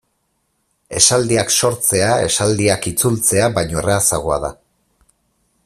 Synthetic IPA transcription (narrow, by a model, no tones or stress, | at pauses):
e̞sald̪iakso̞ɾt͡se̞ae̞̰sald̪iakit͡sult͡se̞aβajɲo̞eraːsa̰ɣ̞o̞a̰ða̰